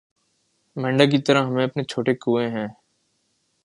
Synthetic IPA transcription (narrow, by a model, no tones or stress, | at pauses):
mɛ̃ːɳɖak̬it̪əɾaɦəmẽɐpnet͡ʃʰoːʈekuːẽɦɛ̃ː